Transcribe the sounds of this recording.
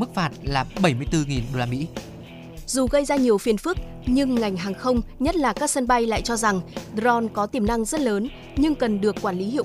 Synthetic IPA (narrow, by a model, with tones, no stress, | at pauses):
mɨ˦˥k̚faː˨˩t̚laː˨˩ɓə˧˩jmɨ˧əjt̪ɨ˧ŋi˨˩nɗo˧laː˧mḭ˧˥ | zu˨˩ɣə˧jzaː˧ɲi˨˩əwfi˨˩ənfɨ˦˥ək̚ | ɲɨ˧ŋːa˨˩jŋ̟ɦaː˨˩ŋxə˧wŋ͡mɲə˦˥t̚laː˨˩kaː˦˥k̚sə˧nɓa˧jla̰ː˧˨jt͡ɕɔ˧za˨˩ŋɗzɔ˧nkɔ˨˦t̪i˨˩mna˧ŋzə˦˥t̚ləː˨˦n | ɲɨ˧ŋkə˨˩nɗɨ˨˩əkːwaː˧˩nli˨˦ɦḭ˧˨